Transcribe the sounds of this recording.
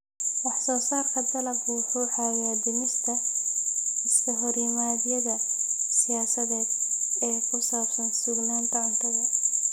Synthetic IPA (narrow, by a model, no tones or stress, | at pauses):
wɑħsɔːsaːrkʰɐd̪ɐlɐɡuːħʊħɑwaːd̪ɪnɪst̪ʰɐ | ɪskʰɐɦɔɾimaːdjɐðɐsɪjaːsɐðɛːd̪ɛːkʰʊsaːbsɐnsʊɡnaːnt̪ʰɐʊnt̪ʰɐɣɐ